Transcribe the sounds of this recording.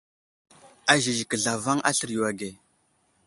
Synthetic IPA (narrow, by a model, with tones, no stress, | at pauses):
a˨ʒi˨ʒi˨kə˨ɮa˨va˦ŋʔa̰˦ɬə˨ɾju˨wa˨ɡe˨